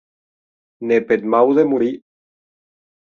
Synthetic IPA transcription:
neped̪mawðemuɾi

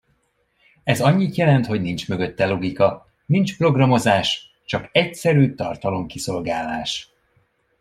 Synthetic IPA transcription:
ɛzɒɲːit̪jɛlɛnt̪ho̞ɟnint͡ʃmø̞ɡø̞t̪ːɛlo̞ɡikɒ | nint͡ʃpro̞ɡrɒmo̞zaːʃ | t͡ʃɒkɛcsɛɾyːt̪ɒrt̪ɒlo̞mkiso̞lɡaːlːaːʃ

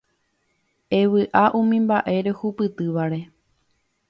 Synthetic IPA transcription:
e̞ʋɨʔaʔũmĩmbaʔe̞ɾe̞hupɨt̪ɨʋaɾe̞

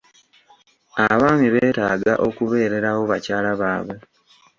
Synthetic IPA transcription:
aβaːmiβeːtaːɡaʔo̞kuβe̞ːɾe̞ɾawo̞βacaːlaβaːβe

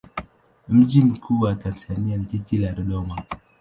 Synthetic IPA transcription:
m̩d͡ʒim̩kʰuwatansanianititilaɾɔɗɔma

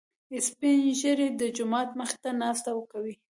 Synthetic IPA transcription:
ɪspɪnʒəɾed̪əd͡ʒʊmɑt̪məxɪ̥t̪anɑst̪awəkawi

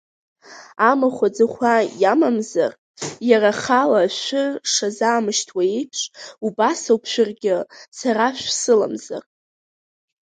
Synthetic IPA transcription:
amaχʷad͡zɨχʷajamamza̰r | jaraχalaʃʷʊʂazaːmɨʃtʰwaipʰʂʷʼubasawpʰʃʷᶣʊrɡʲɪsaɾaʃᶣʷsɨla̰mza̰r

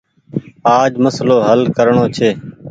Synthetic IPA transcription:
aːd͡ʒməsloːɦəlkəɾɳoːt͡ʃʰeː

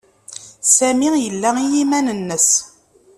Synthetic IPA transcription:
sæmijəlːæijimænənːəs

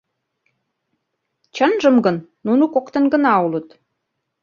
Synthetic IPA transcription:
t͡ɕənʒəmɡə̆nːunukokt̪ə̆nɡə̆nɑulə̆t̪

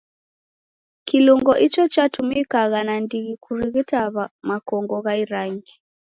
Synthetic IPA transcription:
kiluŋɡɔʔit͡ʃɔt͡ʃatumikaɣanandiɣikuɾiɣitaβamakɔŋɡɔɣaiɾaŋɡi

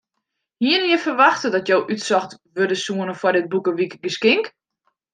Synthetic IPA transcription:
hiənjəfərʋaxtədɔtjowʔytsɔxtʋødəsuənəfwɔrdɪt̚bukəʋikɡəskɪŋk

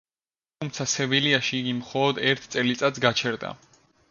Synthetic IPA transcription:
tumt̪sʰasɛviliaʃiːɡimχɔlˠɔd̪ɛɾt̪ʰt̪ʼɛlit̪sʼat̪sɡat͡ʃʰɛɾd̪a̰

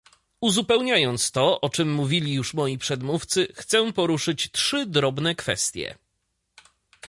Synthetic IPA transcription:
uzupɛwɲajɔnt̪st̪ɔʔɔt͡ʂɘmːuvʲilʲijuʂmɔjipʂɛd̪muft̪sɘxt̪sɛ̃pɔɾuʂɘt͡ɕtʂɘd̪ɾɔbnɛkfɛ̰st̪ʲjɛ̰

